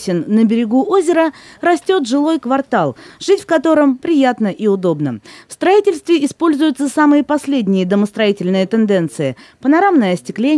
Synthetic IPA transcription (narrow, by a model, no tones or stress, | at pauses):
sʲɪnːəbʲɪɾʲɪɡuʔo̞zʲɪɾərɐsʲtʲo̞t̪ʐɨlˠo̞jkvɐrt̪alˠʐ̥ɨtʲfkɐt̪o̞ɾəmpɾʲɪjat̪nəʔiʊd̪o̞bnə̰fst̪ɾɐitʲɪlʲst̪vʲɪɪspo̞lʲzʊjʊt̪səsamɨjəpɐsʲlʲedʲnʲɪjəd̪əməst̪ɾɐitʲɪlʲnɨjət̪ɨnd̪ɛnt̪sɨjɪpənɐɾamnəjəɐsʲtʲɪklʲe